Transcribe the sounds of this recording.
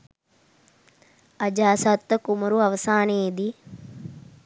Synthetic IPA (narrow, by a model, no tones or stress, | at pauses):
ɐd͡ʒaːsɐt̪ːɐkumɐɾuɐʋɐsaːneːd̪i